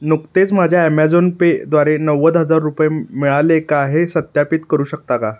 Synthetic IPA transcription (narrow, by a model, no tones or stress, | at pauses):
nukt̪et͡sm̤ad͡ʑʱjaɛmɛd͡zonped̪ʋaɾenəʋəd̪ɦəd͡zaɾːupjemiɭalekaɦesət̪japiːt̪kəɾuːɕəkt̪aka